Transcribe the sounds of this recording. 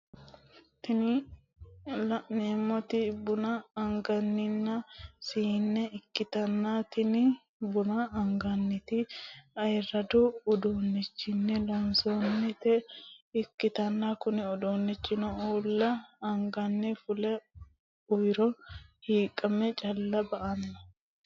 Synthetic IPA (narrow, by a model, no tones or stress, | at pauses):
t̪ɪnɪ | lneːmːɔt̪ɪbʊnɐːŋɡɐnːɪnːɐsiːnːɛɪkːɪt̪ɐnːaːt̪ɪnɪ | bʊnɐːŋɡɐnːɪt̪ɪɐjrːɐd̪uːd̪oːnːɪt͡ʃːɪnːɛlɐnsonːɛt̪ɛɪkːɪt̪ɐnːakʊnɪɔd̪oːnːɪt͡ʃːɪnɔuːlːɐːŋɡɐnːɪfʊlɛ | ʊjɪɾɔhiːkʼːɐmɛt͡ʃʼɐlːɐbɐʔanɪnɐ